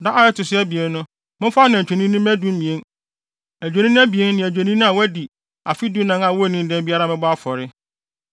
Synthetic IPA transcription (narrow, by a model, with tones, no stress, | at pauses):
da˦ʔa˨jɛ˦tʊ˨sɪ˦ɛ˦bi˨e˦nː˦ʊ̃˦ | mʊ̃˦fa˦nã˨t͡ɕᶣɛ˨nĩ˦nʊ̃˦mæ˦dũ˦m˦mĩ˨e˦n | æ˨d͡ʑᶣɛ˨nĩ˦ñ˦æ˦bi˨e˦nː˦ɪ̃˨æ˨d͡ʑᶣe˨nĩ˦nʊ̃˦a˨wɔ˦æ˦di˨ | a˨fi˦du˦nã˨nã˨wɔ˦˨nĩ˦˨n˦dɛ̃˦n˦bi˦a˦ɾa˦mɪ̃˦bɔ˦a˦fɔ˨ɾɪ˦